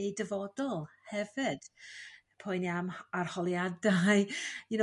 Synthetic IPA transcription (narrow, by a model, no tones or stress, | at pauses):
ejdəvɔdɔlˠ | hɛvɨd̥ | pʰʊjniamarhɔlˠjadajɪno